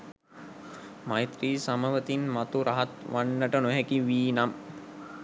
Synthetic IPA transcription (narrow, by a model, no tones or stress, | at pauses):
majt̪riːsaməʋət̪inmat̪uɾaɦat̪ʋanːəʈənoɦɛkiʋiːnam